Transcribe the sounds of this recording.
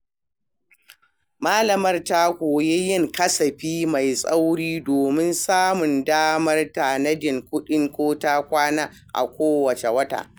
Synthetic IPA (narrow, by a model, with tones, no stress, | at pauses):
maː˦lɐ˨mɐ˦rta˦kʷoː˨je˦jɪ˦˨ŋkɐ˦sɐ˨ɸiː˦ma˨jsʼa˦wɽiː˦doː˨mɪ˦nsaː˦mʊ˨ndaː˦mɐ˦rta˨nɐ˦d͡ʒɪ˨ŋkʷʊ˦ɗɪ˦ŋkʷoː˦ta˦kʷaː˦naː˦ | ʔa̰˨kʷoː˦wɐ˨t͡ʃe˨wɐ˦ta̰ː˨ʔ